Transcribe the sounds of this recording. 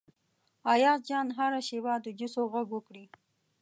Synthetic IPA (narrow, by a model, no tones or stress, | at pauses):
ɑjɑzd͡ʒɑnɦaɾaʃewad̪əd͡ʒʊsoɣaɡwəkɽi